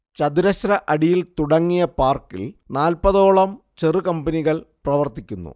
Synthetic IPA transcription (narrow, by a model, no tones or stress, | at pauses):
t͡ɕɐd̪iɾɐɕɾɐʔɐɽijilt̪uɽɐŋːijɐpaːrkḭlnaːlpɐðo̞ːɭɐm | t͡ɕerɨkɐmbɐniɣɐɭprɐʋɐrt̪ikʲːunːṵ